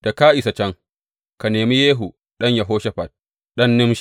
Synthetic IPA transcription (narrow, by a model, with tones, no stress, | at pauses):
d̥a˨kaː˦ʔɪ˨sa˨t͡ʃɐ˦ŋ | ka˨neː˨mi˦jeː˦ɦu˨ | ɗɐ˦ɲja˨ɦoː˦ʃɛ˦ɸɐ˨t̚ | ɗɐ˦nːɪ˦mʃ